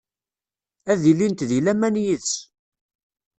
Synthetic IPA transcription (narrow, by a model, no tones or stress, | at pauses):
æðilːint̪ðilæmænjəðs